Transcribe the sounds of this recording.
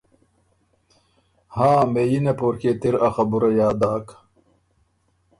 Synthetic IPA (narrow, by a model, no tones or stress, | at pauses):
haːmejinepoːɾket̪iɾɐxɐbuɾɐjaːd̪aːk